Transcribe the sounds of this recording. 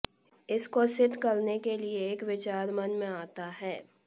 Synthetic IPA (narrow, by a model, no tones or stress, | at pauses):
ɪskosɪd̪ʱkɐlnekelieːkʋɪt͡ʃaːɾmɐnmẽaːt̪aɦɛː